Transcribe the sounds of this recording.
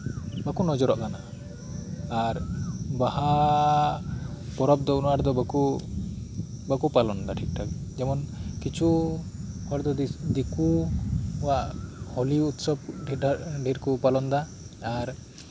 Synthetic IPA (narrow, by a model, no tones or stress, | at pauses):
bakunɔd͡ʒɔɾɔʔkana | ɾbaha | pɔɾɔb̚d̪ɔunaɾd̪ɔbaku | bakupalɔnd̪aʈʰik̚ʈʰak̚d͡ʒɛmɔnkit͡ʃʰu | aɾd̪ɔd̪iku | waʔhɔliut̪sɔbɖʱiɖʱiɾkupalɔnd̪aː | ɾ